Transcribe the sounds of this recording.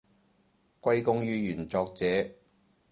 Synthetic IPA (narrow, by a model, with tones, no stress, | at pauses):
kʷɐ˥jkʊ˥ŋjyː˥jyː˨˩nt͡sɔː˧k̚t͡sɛː˨˦